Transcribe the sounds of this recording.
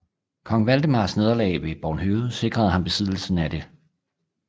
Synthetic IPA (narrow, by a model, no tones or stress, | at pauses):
kʰɒ̽ŋʋæld̥əmɑ̈ːsne̝ð̞ˠɐlɛ̰ːɪʋe̝b̥ɒːnɦøːð̩ˠse̝ɡ̥ʁɐðˠhɑ̈mb̥e̝sið̰ˠl̩sn̩æd̥e̝